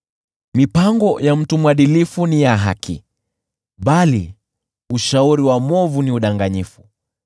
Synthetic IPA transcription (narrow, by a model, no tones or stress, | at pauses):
mipaŋɡɔjam̩tumwaɗilifunijaɦa̰kʰḭ | ɓali | uʃauɾiwamɔvuniuɗaŋɡaɲifu